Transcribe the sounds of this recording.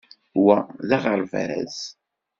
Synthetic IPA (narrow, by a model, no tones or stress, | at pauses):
wæðaʁəɾv̰ɾæ̰z